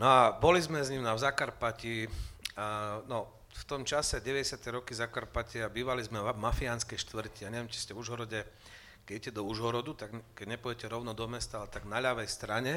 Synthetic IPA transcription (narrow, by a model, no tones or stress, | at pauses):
nɔabɔlizmɛzɲimnavzakaɾpaci | nɔ | ft̪ɔmt͡ʃasɛɟɛʋɛɟɛsɪat̪ɛɾɔkizakaɾpacɛabiːʋalizmɛmafianskɛjʃt̪ʋr̩ciaɲɛʋjɛmt͡ʃi̥scɛvuʒɦɔɾɔɟɛ | kɛicɛd̪ɔuʒɦɔɾɔd̪ut̪aɡkɛɟɲɛpɔɟɛcɛɾɔʊnɔd̪ɔmɛst̪aalɛt̪aɡnaʎaʋɛjst̪ɾaɲɛ